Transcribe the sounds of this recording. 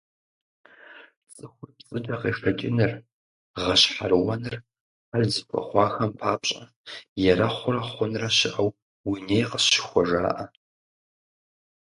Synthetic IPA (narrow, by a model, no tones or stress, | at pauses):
t͡sʼɨxʷʊrpt͡sʼɨdʼɐqeːʂɐt͡ʃʼɪnɨr | ʁɐɕħarwɐnɨr | aɮzɨkʷʰɐ̰χʷɑːxɐmpʰaːpɕʼɐ | jɛrɐχʷʊɾɐχʷʊnraɕɪʔaw | winejqə̥ɕɪ̥xʷɔʐa̰ːʔɐ